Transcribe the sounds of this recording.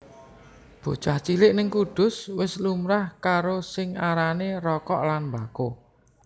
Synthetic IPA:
b̥o̤̥t͡ʃaht͡ʃilɪʔnɪŋkud̥ʊ̤swɪslumɾahkaɾosɪŋaɾaneɾɔkɔʔlanmbako

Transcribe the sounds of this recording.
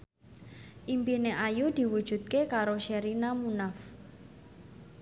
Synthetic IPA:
ʔimpineʔajud̪̥i̤wud̥ʒ̥ṳt̪̚kekaɾoʃeɾinamunaf

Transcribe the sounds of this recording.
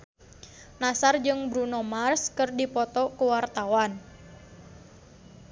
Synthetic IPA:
nasard͡ʒɨŋbɾunɔmarskɨrdipɔt̪ɔkuwart̪awan

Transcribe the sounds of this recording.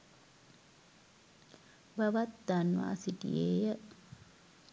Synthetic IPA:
bəʋat̪d̪anʋa̰ːsiʈḭjeːjə

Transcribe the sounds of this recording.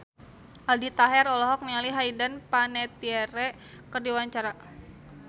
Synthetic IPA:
ʔaldit̪aɦɛɾɔlɔɦɔk̚nialiɦaidanpanɛt̪iɛɾɛ | kərdiwaɲt͡ʃaɾa

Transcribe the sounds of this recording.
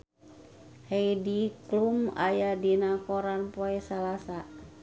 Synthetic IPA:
hejdikluma̰jadinakɔɾanpoɛsalasa

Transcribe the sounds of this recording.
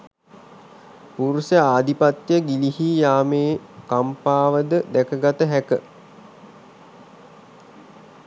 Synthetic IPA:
puɾusəaːd̪ipat̪jəɡilihijaːmeːkampaːʋəd̪əd̪ækəɡat̪əɦækə

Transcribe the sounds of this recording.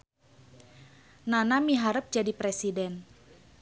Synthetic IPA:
nanamiɦaɾəp̚d͡ʒadipɾɛsidɛn

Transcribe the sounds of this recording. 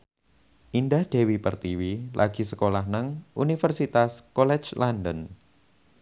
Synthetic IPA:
ʔindahd̥e̤wipərt̪iwilʔaɡ̥i̤səkolaɦnəŋʔunifərsit̪askolɛ̥d͡ʒlandən

